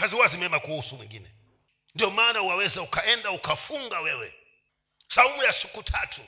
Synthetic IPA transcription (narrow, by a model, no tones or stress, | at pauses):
kaziwazimɛmakuusumwiŋɡḭːnɛ | ndijɔmaːnauwawɛzaukaɛndaukafuŋɡawɛwɛ̰ | saumujasi̥kutʰatʰu